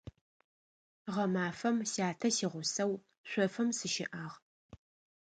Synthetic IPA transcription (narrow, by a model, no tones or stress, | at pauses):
ʁɐmaːfɐmsjaːtʰɐsiːʁʷʊsɐw | ɕʷɔfɐmsɨʃɪʔaːʁ